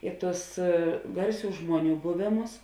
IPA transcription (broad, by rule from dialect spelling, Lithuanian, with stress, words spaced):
ˈɪ ˌtʊs ˈɡɐrʲˌsʲuː ˈʒmuɔˌnʲuː ˈbʊʋʲeːˌmʊs